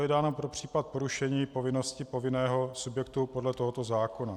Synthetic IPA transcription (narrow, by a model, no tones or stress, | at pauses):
jɛdaːnopɾopr̝̥iːpat̪̚poɾuʃɛɲiːpo̞vɪno̞scɪpovɪnɛːɦo̞subjɛkt̪upo̞dlɛt̪oɦot̪o̞zaːko̞na